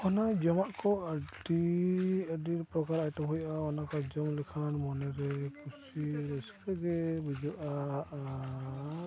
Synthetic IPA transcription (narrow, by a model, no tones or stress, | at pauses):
ɔnad͡ʒɔmaʔkɔədi | adiɾpɾɔkaɾajtɔbɦɔjaɔnakɔd͡ʒɔmlɛkʰanmɔnɛɾɛkusiɾɛskaɡɛbid͡ʒɔka